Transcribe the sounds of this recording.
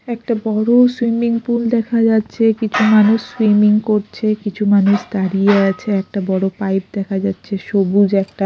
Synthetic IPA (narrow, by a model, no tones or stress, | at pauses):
ɛkʈabɔɽoswimiŋpuld̪ɛkʰad͡ʑatːɕʰekit͡ɕʰumanuʃswimiŋkoɾt͡ɕʰekit͡ɕʰumanuʃd̪aɾijeat͡ɕʰeɛk̚ʈabɔɽopajp̚d̪ɛkʰad͡ʑatːɕʰeʃobud͡ʑɛk̚ʈa